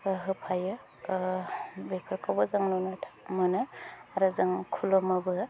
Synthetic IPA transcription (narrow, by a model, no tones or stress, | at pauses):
ɦɯpʰajɯ | bepʰɯɾkʰawbɯzaŋnonɯtʰḁmɯnɯaɾɯzaŋkʰulɔmabɯ